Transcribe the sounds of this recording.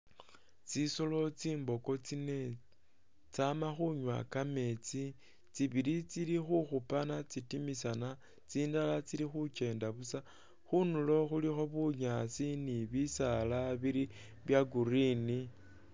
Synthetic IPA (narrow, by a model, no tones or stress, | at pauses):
t͡sisolo̞t͡siːmbo̞ko̞t͡sine̞ | t͡samaxuɲwa̰kame̞t͡si | t͡siβilit͡silixuxupanat͡sitimisana | t͡siːndalat͡silixut͡ʃe̞ːndaβusa | xunulo̞xulixo̞βuɲasiniβisalaβiɾi | βjaɡuɾini